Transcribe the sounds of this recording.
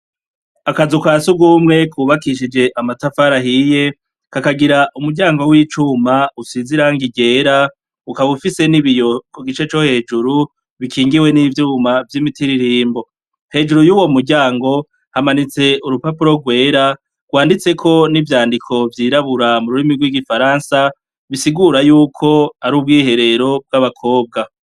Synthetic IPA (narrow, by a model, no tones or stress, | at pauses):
akazukwaːsuɡumŋe̞kʰuːβakiʃ̬id͡ʒe̞ʔamatafaɾaɦije̞ | kakaɡiɾaʔumuɟaːŋɡo̞wiːt͡ʃumausiziɾaŋɡiɟe̞ːɾa | ukaβufise̞niβijokoɡit͡ʃe̞t͡ʃo̞he̞ːd͡ʒuɾu | βikʰiːŋɡiwe̞nivjuːmavjimitiɾiɾiːmbo̞ | he̞ːd͡ʒuɾujuːwo̞muɟaːŋɡo̞ | hamanit͡se̞uɾupapuɾo̞ɡwe̞ːɾa | ɡ̥waːndit͡se̞kʰo̞nivjaːndikʰo̞vjiːɾaβuɾamuɾuɾimiɡwiɡifaɾaːnsa | βisiɡuɾajuːkʰo̞aɾuːb̚ɡiːhe̞ɾe̞ɾo̞b̚ɡaβakʰo̞ːb̚ɡa